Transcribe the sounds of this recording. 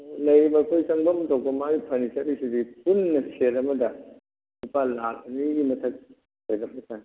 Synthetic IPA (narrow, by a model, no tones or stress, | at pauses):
lɐjɾibɐkʰojsɐŋbɐmtʰow̚pɐmaɡipʰɐnisɐɾisidipʰunːɐseɾɐmɐdɐ | nupalalɐniɡimɐtʰɐk̚ | ojɾɐk̚mɐtʰa